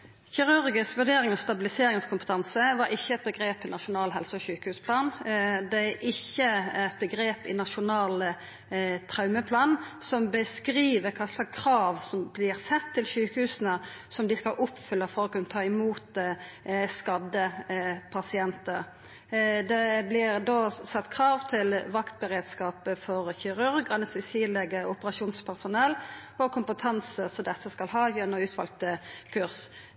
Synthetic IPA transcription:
çɪʁʉɾɡɪsʋʉɖeːɾɪŋɔst̪ɑbɪlɪseːɾɪŋəskʰʊmpə̥t̪ʰɑnsəʋɑɾɪçːəɛt̪̚bəɡɾeːpɪnɑʃʊnɑːlɦɛlsəɔçʉːkəhʉːspʰlɑːnd̪ɛæɾʔɪçːəæt̪̚bəɡɾeːpɪnɑʃʊnɑːl | t̪ʰʁɑʉməpʰlɑːnsɔmbəskɾiːʋəɾkʰɑːslɑkkʰʁɑːʋsɔmblɪʁsɛt̪ʰːɪlçʉːkəhʉːsənə | sɔmd̪ɪskɑlʔʊpːfʏlːəfɔɾɔkʉnt̪ʰɑːɪmuːt̪ | skɑd̪əpʰɑsɪɛnt̪əɾ | d̪ɛblɪʁd̪oːsɑt̪ːkʰɾɑːʋt̪ʰɪlʋɑkt̪̚bəɾeːd̪skɑːpəfɔɾçɪɾʉɾɡɑnəsɛsiːlɛɡəʔʊpəɾɑʃuːnspʰæʁsʊnɛlːɔkʰʊmpət̪ʰɑnsəsɔmd̪ɛsːəskɑlɦɑːjɛnːɔʉːt̪ʋɑlk̚t̪əkʰʉʁs

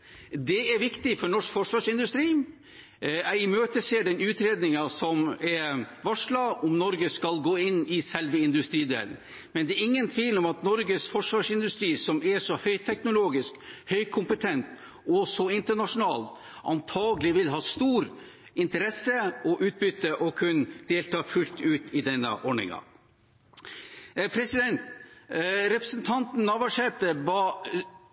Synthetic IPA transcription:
d̪ɛɛɾʋɪkt̪ɪfɔɾɳɔʂkfɔʂʋɑːʂɪnd̪ʉst̪ɾiː | æɪmøːt̪əseːɖɛnʉːt̪ɾeːd̪nɪŋɑsɔmɛɾʋɑʂlɑɔmnɔɾɡəskɑlɡoːɪnːɪsɛlʋəɪnd̪ʉst̪ɾiːd̪ḛːlən̩ | mɛnd̪ɛːɾɪŋːənt̪ʰʋiːlɔmɑt̪nɔɾɡəsfɔʂʋɑːʂɪnd̪ʉst̪ɾiːsɔmɛʂɔhœʏt̪ʰɛknʊloːɡɪskhœʏkʰʊmpət̪ʰɛnt̪ | ɔsɔɪnt̪əɳɑʂʊnɑːlt̪ | ɑnt̪ʰɑːɡəlɪʋɪlɦɑːst̪uːɾ | ɪnt̪əɾɛsːəɔʔʉːt̪̚bʏt̪ːəʔɔkʰʉnd̪̥eːlt̪ʰɑːfʉlt̪ʉːt̪ɪd̪ɛnːə̰ʔɔɳɪ̰ŋɑ̰ | pʰɾɛsɪd̪ɛnt̪ | ɾɛpɾəsnt̪ʰɑnt̪n̩ːɑʋɑʂɛːt̪əbɑ

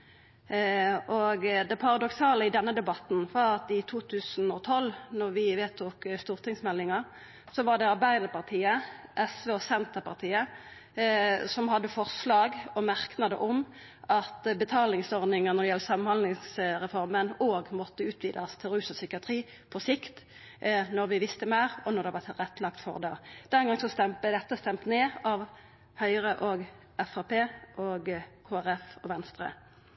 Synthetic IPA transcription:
ʔoɡd̪ɛpʰɑʁɑd̪ɔksɑːləɪd̪ɛnːəd̪ɛbɑt̪n̩fɔʁɑt̪ɪt̪ʰuːt̪ʰʉːsn̩ɔt̪ʰɔlnɔʁʋɪʋeːt̪ʰuːkst̪uːʁt̪ʰɪŋsmɛlːɪŋɑ | sɔʋɑʁɖ̪ɛɑʁbæɪd̪əɾpɑʁt̪ʰiːəʔɛsʋeosɛnt̪əpʰɑʁt̪ʰiːə | sɔmhɑd̪ːəfɔʁslɑːɡɔmæʁknɑd̪ə̰ʔʊm | ɑt̪bət̪ʰɑːlɪŋsɔʁd̪ɪŋəʁnɔʁd̪ɛjɛlːəsɑmːənhɑnd̪lɪŋsʁɛfɔʁmənoːɡmɔt̪ːəʉːt̪ʰʋiːd̪ɑst̪ʰɪlʁʉːsɔsʏkɪɑt̪ʰʁiː | pʰɔsɪkt̪ | nɔʁʋɪʋɪst̪əmæːʁɔnɔʁd̪ɛʋɑʁt̪ʁɛt̪ːlɑkt̪fɔ̰ʁd̪ɑ̰ːd̪̥ɛnɡɑŋsɔst̪ɛmd̪ɛt̪ːəst̪ɛmt̪neːɑʋ | hœʏʁəʔoːɡ | ɛfɑpeːʔoːɡkʰoːæʁɛfɔʋɛnst̪ʁə̰

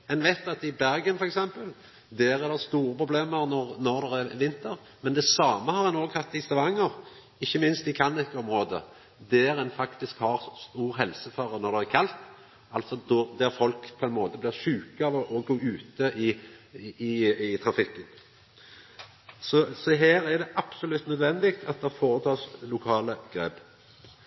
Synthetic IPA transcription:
ɛnʋæɪt̪ɑt̪ɪbæɾɡənfɔɾɛksɛmpəl | d̪æːɾæd̪ɛst̪uːʁəpʰɾʊbleːməɾnɔʁnɔʁd̪ɛʁæɾʋɪnt̪əɾ | mɛnd̪ɛsɑːməhɑɾhɛnoːɡhɑt̪ːɪst̪ɑʋɑŋːəɾ | ɪçːəmɪnst̪ɪkʰɑnːɪkːəɔmʁoːd̪ə̰ | d̪æːɾɛnfɑkt̪ɪskhɑʁst̪uːɾɦɛlsəfɑːʁənɔʁd̪ɛʁækʰɑlt̪ | ɑlt̪sɔd̪ɔd̪æʁfɔlkpʰɔɛnmoːt̪əblɪʁʂʉːkəɑʋɔɔɡoːʉːt̪əʔɪ | ɪɪt̪ʰʁɑnfɪkːən | sɔsɔɦæːɾæd̪ɛʔɑb̥sɔlʉt̪ːnœd̪ʋɛnd̪ɪkt̪ʰɑt̪̚d̪ɛɑfoːɾət̪ʰɑːslʊkʰɑːləɡ̥ʁeːb

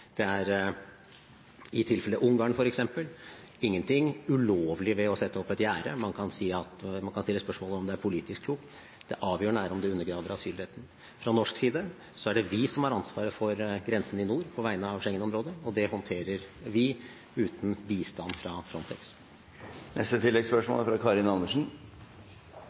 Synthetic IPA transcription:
d̪̥ɛæɾ | ɪt̪ʰɪlfɛləʔʊŋɡɑːŋfɔɾɛksɛmpəlɪŋːənt̪ʰɪŋʉloːʋlɪʋɛɔsɛt̪ːəɔpːɛt̪jæːɾəmɑnkʰɑnsiːɑt̪mɑnkʰɑnst̪ɪlːəspœʂmoːləɔmd̪ɛæɾpʰʊliːt̪ɪskʰluːk | d̪̥ɛʔɑːʋjøːɳæːɾəɔmd̪ɛʉnːəɾɡɾɑːd̪əɾɑsyːlheːt̪n̩ | fɾɑnɔʂksiːd̪ə | sɔæɖɛʋɪsɔmhɑɾɑnsʋɑːɾəfɔɾɡɾɛnsən̩ɪnuːɾpʰɔʋæɪnəɑʋʂɛŋːənɔmɾoːd̪əɔd̪ɛhɔnt̪ʰeːɾəɾʋɪ | ʉːt̪n̩biːst̪ɑnd̪fɾɑfɾɔnt̪ʰɛks | nʔɛ̰st̪ət̪ʰɪlːɛɡspœʂmo̰ːlfɾɑkʰɑːɾɪnɑlməʂn̩

